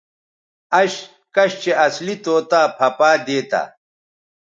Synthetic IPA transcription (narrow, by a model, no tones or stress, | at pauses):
ɐɕ | kɐɕt͡ɕeɐslit̪oːt̪aːpʰɐpaːd̪eːt̪a̰ː